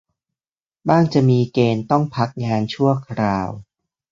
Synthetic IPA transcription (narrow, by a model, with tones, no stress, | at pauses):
baː˥˩ŋt͡ɕa˨˩miː˧keː˧nt̪ɔ˥˩ŋpʰa˦˥k̚ŋaː˧nt͡ɕʰu˥˩ɐkʰɾaː˧w